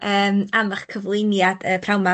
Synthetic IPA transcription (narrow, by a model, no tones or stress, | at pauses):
əːmaməχkʰəvlˠɪnjad̥əpʰrawma